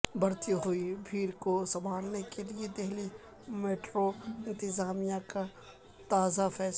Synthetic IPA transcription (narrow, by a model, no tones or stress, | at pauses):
bɐɾt̪iɦʊibʱiːɾkosɐ̃mbʱaːlnekelied̪eɦli | meːʈɾoɪ̃nt̪ɪzaːmijaka | t̪aːzafɛːs